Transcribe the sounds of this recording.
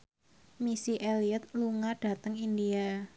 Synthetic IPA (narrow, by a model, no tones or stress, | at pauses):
misiʔeliət̪̚luŋaɖ̥a̤t̪əŋindia